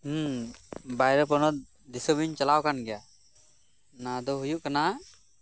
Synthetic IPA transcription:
bajɾɔpɔnɔt̪̚ | d̪isɔbiɲt͡ʃalawkanɡɛja | nad̪ɔɦujuʔkana

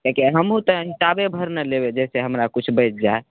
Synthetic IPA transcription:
kakeɦəmũt̪əɦisabebʱəɾnəlebed͡ʒɛseɦəmɾakut͡ʃʰbəjt̪̚d͡ʒae

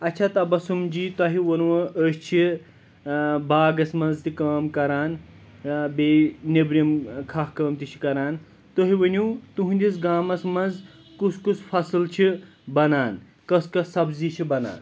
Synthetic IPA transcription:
ɐt͡ʃʰɐt̪ɐbɐsumd͡ʒiːt̪ɐɦiwɐnwɐʔəːʃt͡ʃʰi | baːɡɐsmɐnzt̪ikaːmkɐɾaːn | beːnebɾimkʰɐhkɐːmt̪it͡ʃʰi̥kɐɾaːn | t̪oɦiʋɐnʲuːt̪uɦũnʲd̪ʲisɡaːmɐsmɐnz | kuskuspʰɐsɨlt͡ʃʰi | bɐnaːn | kɐskɐsɐbzit͡ʃʰibɐna̰ːn

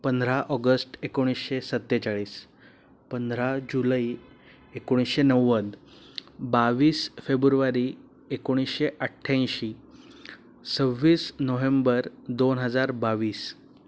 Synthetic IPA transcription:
pənd̪ʱɾaʔɔɡəsʈekoɽ̃isɕesət̪ːet͡saɭiːs | pənd̪ʱɾad͡ʑuləi | ekoɽ̃isɕenəʋːəd̪ | baʋiːsfebɾuɾuʋaɾiː | ekoɽ̃isɕeʔəʈʰːjãj̃ɕiː | səʋːiːsnoʋembəɾd̪onɦəd͡zaɾbaʋiːs

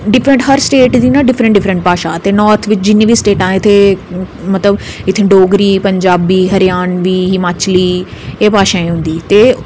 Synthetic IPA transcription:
ɖɪfʰɾə̃ɳʈɦɐɾsʈeːʈd̪inãɖɪfʰɾə̃ɳʈɖɪfɾə̃ɳʈpaːʃat̪enɔːɾt̪ʰʋɪt͡ʃd͡ʒɪnẽbʱisʈeːʈãːɪt̪ʰe | mɐt̪ləbɪt̪ʰːẽɖoːɡɾiːpɐ̃ɲd͡ʒaːbiːɦɐɾjaːnʋiːɦɪmaːt͡ɕliːepaːʃãːẽɦʊ̃ːn̆d̪iːt̪eː

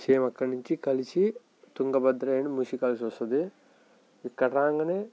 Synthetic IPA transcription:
t͡ʃeːmɐkːɐniɲt͡ʃikɐlit͡ʃi | t̪uŋɡɐbɐd̪ɾɐenmuʃikɐlsosɐd̪i | ikːɐʈaːŋɡɐne

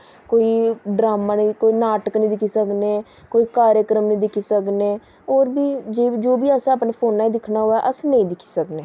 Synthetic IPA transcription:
koːiːɖɾaːmaːniːkoːiːnaːʈəknĩːd̪ɪkʰiːsəkneː | koːiːkaːɾjəkɾəmnĩːd̪ɪkʰiːsəkneː | oːɾbiːd͡ʒeːd͡ʒoːbiːəsãaːpnaːpʰoːnːaːiːd̪ɪkʰnaːɦoɛːʔəsnəĩːd̪ɪkʰi̥ːsəkneː

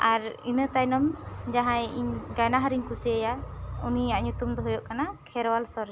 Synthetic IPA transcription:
aɾinət̪ajnɔmd͡ʒaɦãjiɲɡajnaɦaɾiɲkusiajauniaʔɲut̪umd̪ɔɦɔjɔʔkanakʰɛɾwalsɔɾɛ

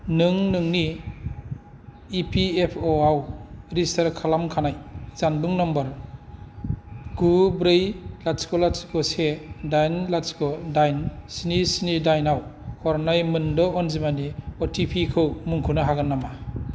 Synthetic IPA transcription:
nɯŋnɯŋni | pʰiepʰɔawɾistaɾkʰalamkʰanajz̥anbɯŋnɔmbɔɾ | ɡubɾejlaskɔlasi̥kɔsedajnlasi̥kɔdajnsinisinidajnawhɔɾnajmɯndɔɔnzimaniɔtʰipʰikʰɯwmuŋkʰunɯɦaɡɯnːama

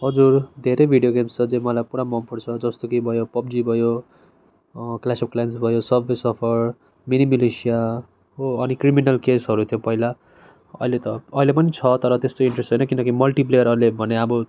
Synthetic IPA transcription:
ɦʌd͡zurd̪ʱeɾebʱiɽijoɡemst͡sʰʌd͡zẽmʌlajpuɽ̃amʌmpuɾt͡sʰʌd͡zʌst̪okibʱʌjopʌb̚d͡zibʱʌjo | klasep̚klajensbʱʌjosʌbʱesʌpʰʌr | minimilesija | oʌnikriminʌlkesɦʌɾut̪ʰjopʌɦila | ʌ̰ɦilet̪ʌːɦilepʌnit͡sʰʌt̪ʌɾʌt̪est̪oiɳʈresejnʌkinʌkimʌlʈip̬lejʌɾʌlebʱʌneʌbʌ

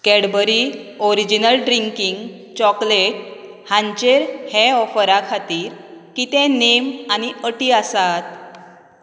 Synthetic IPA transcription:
kɛɽbəɾiɔɾid͡ʑinəlɖɾiŋkiŋɡ | t͡ɕɔkleʈ̚ | hãɲt͡ɕeɾhɛɔfəɾakʰat̪iːɾkit̪ẽnemañiəʈiːasat̪

